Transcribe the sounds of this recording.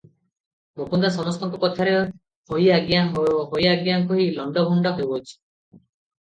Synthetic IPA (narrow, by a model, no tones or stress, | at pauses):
bopund̪asɔmɔst̪ɔŋkɔpɔt̪ʰaɾe | hojaɡjanɦooɦojaɡjaŋkɔɦilɔɳɖɔbʱuɳɖɔɦebɔt͡ʃʰi̥